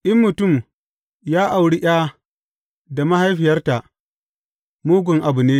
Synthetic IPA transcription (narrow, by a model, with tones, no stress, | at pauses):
ʔɪ˦mːʊ˨tʊ˦˨m | jaː˦ʔa˨wɽi˦ʔj̰aː˦ | da˨ma˦ha˦jɸɪ˨jɐ˦rta˨ʔ | muː˦ɡʷʊ˨ŋʔa˨bʊ˨neː˦